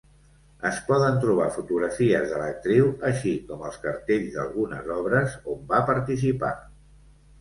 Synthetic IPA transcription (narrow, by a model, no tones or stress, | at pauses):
əspɔðənt̪ɾuβ̞afut̪uɣɾəfiəzðələk̚t̪ɾiwəʃikɔməlˠskəɾt̪eʎzðə̰lˠɣunə̰zɔβɾəzombapəɾt̪is̬ipa̰